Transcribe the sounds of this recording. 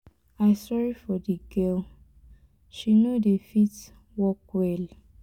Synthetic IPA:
aɪsɔɹifɔdiɡɛl | ʃinodefit | wɔkwɛl

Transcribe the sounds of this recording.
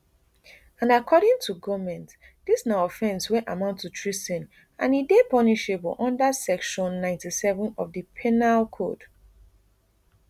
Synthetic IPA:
ãnakʰɔɾɪ̃ŋtʰuɡɔmɛ̃nt | d̥isnaɔfɛ̃nswɛ̃ʔamãʊ̃ntːutʰɹistɛ̃n | ã̰nidepʌniʃebɔ̰lʔɔ̃ndasɛkʃɔ̃nːãɪ̃ntisɛvə̃nɔvdipʰɛnalkʰo̰d̥

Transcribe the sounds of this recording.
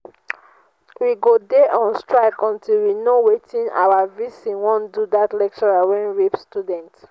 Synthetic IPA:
wiɡodeʔɔ̃nstɹaɪkɔ̃ntʰilwinowetʰĩna̰wavisĩwɔ̃ndudatlɛk̚t͡ʃɔɹawɛ̃nɹipstjudɛ̃nt

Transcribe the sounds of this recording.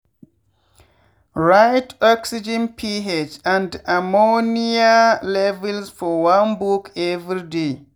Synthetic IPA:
ɹajtʰɔksid͡ʒɛ̃npʰiɦed͡ʒãndamonialɛvɛlsfɔwãnbukʰɛvɾide

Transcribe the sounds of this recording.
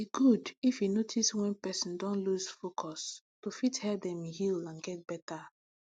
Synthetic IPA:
biɡudifjunotʰiswɛ̃npɛsɔ̃ndɔ̃nluzfokʰɔs | tufithɛdɛ̃mhilãnɡɛt̚b̥ɛta

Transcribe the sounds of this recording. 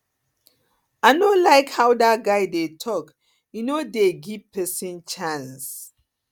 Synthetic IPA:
anolaɪkhawdat̚ɡaɪdetʰɔk | junodeɡivpʰɛsɔ̃nt͡ʃãns

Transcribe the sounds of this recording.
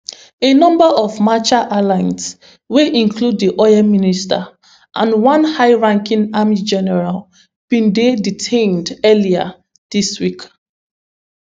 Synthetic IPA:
enɔ̃mbaʔɔvmat͡ʃaʔalãɪ̃ns | weʔĩŋkʰlud̚ːiʔɔjaminista̰ | ʔã̰nwɔ̃nhaɪɹãŋkĩŋamid͡ʒɛnɛɹal | b̥ĩndeditʰẽndɛlia̰ | d̥iswik

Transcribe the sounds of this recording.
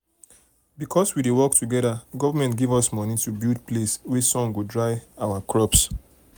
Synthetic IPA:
bikʰɔswidewɔk̚tuɡɛdaɡɔvamɛ̃ntɡivɔsmɔnitubild̚pʰleswɛsɔ̃ŋɡudɹaɪawakʰɹɔps

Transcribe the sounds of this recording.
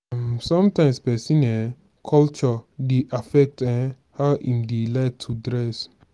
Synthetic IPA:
amsɔ̃mtãɪ̃mspɛsĩnɛ | kʰɔlt͡ʃɔdeʔafɛk̚tãn | haʊʔĩmdelaɪk̚tʰudɹɛs

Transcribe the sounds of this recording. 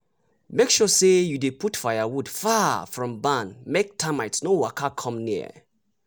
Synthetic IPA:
mekʃɔsejudepʰutfaɪjawud̥fafɹɔ̃mbãnmek̚tʰamaɪtnowakʰakʰɔ̃mnḭə̰

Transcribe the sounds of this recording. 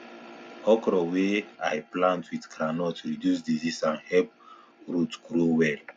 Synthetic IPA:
ɔkɾɔwea̰jplãntwidkʰɾanɔtʰuɹidjus̬dizisãnhɛlp̚ | ɹutɡɾowɛl

